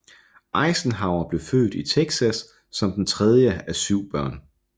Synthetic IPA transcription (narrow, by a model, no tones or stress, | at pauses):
ʔɑ̈ɪsn̩ɦɑ̈ʊɐb̥le̝fø̰ːd̥it͡sʰeɡ̥sæsː | ɒ̽md̥ent͡sʰʁɛð̞ˠjəæsyʊ̰b̥ɶɐ̰n